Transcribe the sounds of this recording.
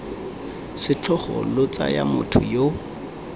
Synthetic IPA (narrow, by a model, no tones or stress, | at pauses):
sɪt͡ɬʰɔχɔlʊt͡sajamʊtʰʊjo